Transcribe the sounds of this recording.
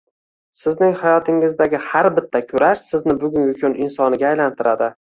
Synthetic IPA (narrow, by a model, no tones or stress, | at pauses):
sɪznɪŋhajɒt̪ʰɪŋɪzd̪aɡʲɪhaɾbɪt̪ʰːakʰʊɾaʃsɪznɪbʊɡʲʊnʊkʲʰʊnɪnsɒnɪɡʲaːjlant̪ʰɪɾad̪ɪ